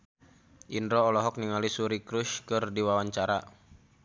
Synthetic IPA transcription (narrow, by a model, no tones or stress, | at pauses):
ʔindɾɔːlɔɦɔk̚niŋalisuɾikɾuʃkɨrdiwawaɲt͡ʃaɾa